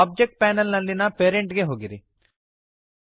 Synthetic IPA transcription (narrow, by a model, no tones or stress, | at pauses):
aːb̚d͡ʒek̚ʈ̚pæːnɐlnɐlːinɐpeːɾeɳʈɡeɦoːɡiɾi